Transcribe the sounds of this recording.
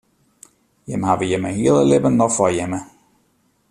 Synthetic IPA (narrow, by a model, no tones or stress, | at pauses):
jɪmhaʋəjəməhiəlˠəlɪbənːɔxfɔjɛmə